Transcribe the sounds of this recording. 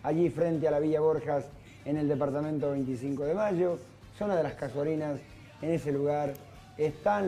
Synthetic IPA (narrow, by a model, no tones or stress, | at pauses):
aʒifɾent̪ealaβ̞iʎaβoɾxas | eneld̪epaɾt̪amẽnt̪oβejnt̪isiŋkoðemaʒo | sunaðelaskasaɾinas | eneseluɣaɾ | est̪an